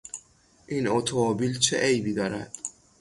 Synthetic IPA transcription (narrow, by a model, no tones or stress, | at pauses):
ʔiːnot̪ʰomobiːlt͡ʃʰḛʔejbiːd̪ɒːɾæ̰d̪̥